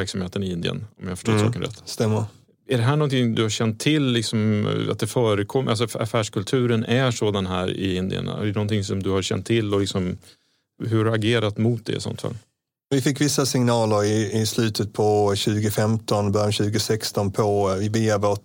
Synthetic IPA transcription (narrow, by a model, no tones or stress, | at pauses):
æɾksamheːt̪ənɪɪnd̪ɪ̰ə̰nɔmjahafə̥ʂʈoːsɑ̰ːkənɾɛ̰t̪ːst̪ɛmːəɾ | æɖɛɦæːɳɔnt̪ʰɪŋd̪ɵhaɕɛnt̪ʰːɪlːɪksɔma̰t̪̚d̪ɛfœːɾəkʰɔmʔals̬ɔa̰fæːʂkʰɵlt̪ʰʉ̟ːɾənæʂoːd̪anɦæːɾɪ̰ɪnd̪ɪ̰ə̰n̰dɛnɔnt̪ʰɪŋsɔmd̪ɵhaɾɕɛ̰nt̪ʰːɪlːɔlɪksɔm | ɦɵɾaɡeːɾat̪mʊt̪̚d̪ɛ̰ɪ̰sɔ̰nt̪fa̰ːl | vɪfɪkːvɪsːasɪŋnɑːləɾɪɪslʉ̟ːt̪ʰət̪̚pʰɔɕʉ̟ːɡʊfɛmt̪ɔnbœɾjanɕʉ̟ːɡəsɛkst̪ɔnpʰɔvɪbɪavo